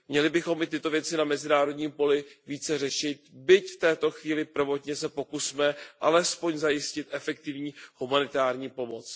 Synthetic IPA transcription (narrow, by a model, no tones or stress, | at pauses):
mɲɛlɪbɪxo̞mɪt̪ɪt̪o̞vjɛt͡sɪnamɛzɪnaːɾo̞dɲiːmpo̞lɪviːt͡sɛr̝ɛʃɪt̪̚bɪcft̪ɛːt̪o̞xviːlɪpr̩vo̞t̪ɲɛsɛpo̞kusmɛʔalɛspoɲzajɪscɪt̪ʔɛfɛk̚t̪ɪvɲiːhumanɪt̪aːɾɲiːpo̞mo̞t͡s